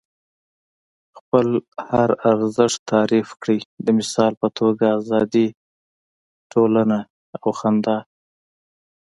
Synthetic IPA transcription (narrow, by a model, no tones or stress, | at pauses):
xpəlhaɾaɾzəʂt̪ɑɾifkɽijd̪əmɪsɑlpət̪ʰoɡaːzɑd̪i | ʈʰolana | awxand̪ɑ